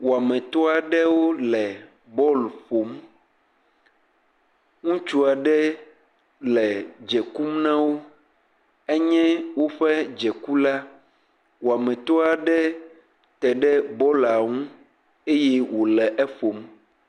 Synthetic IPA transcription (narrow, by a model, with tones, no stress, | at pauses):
wo˨a˨mɛ̃˨t̪ɔ˦a˨ɖɛ˦wo˦lɛ˨ | bɔ˦lɸo˨m | ŋũ˦t͡ʃu˦a˨ɖɛ˦ | lɛ˨d͡ʒɛ˨ku˦mnã˦wo˦ | ɛ˦ɲɛ̃˦wo˦ɸɛ˦d͡ʒɛ˨ku˦la˦ | wo˨a˨mɛ̃˨t̪ɔ˦a˨ɖɛ˦ | t̪ɛ˨ɖɛ˦bɔ˦la˨ŋũ˦ | e˦jɛ˦wo˨lɛ˨ʔɛ˦fo˨m